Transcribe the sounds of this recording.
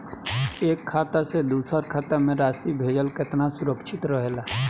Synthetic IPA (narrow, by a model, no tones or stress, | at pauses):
eːkʰːaːt̪ased̪uːsəɾkʰaːt̪amẽɾaːsibʱeːd͡ʒəlkɪt̪nasʊɾəkʃʰɪt̪ɾəɦela